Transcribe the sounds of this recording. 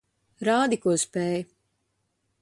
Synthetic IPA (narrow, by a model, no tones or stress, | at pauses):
ɾaːd̪ikuɔspɛːj